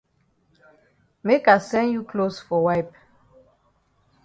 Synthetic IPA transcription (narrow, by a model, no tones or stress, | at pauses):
mekasɛ̃njukʰlosfɔwajp